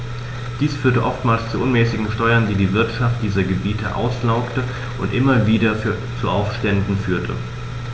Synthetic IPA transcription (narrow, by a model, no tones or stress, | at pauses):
d̥iːsfyːɐtəʔɔftmaːlst͡suʔʊnmɛːsɪɡŋ̩ʃtɔʏɐndiːdiːvɪɐtʃaft̚d̥iːzɐɡəbiːtʰə̰ʔa̰ʊslaʊktə | ʔʊntʔɪmɐviːdɐf | t͡suʔaʊfʃtɛndn̩fyːɐtʰə̰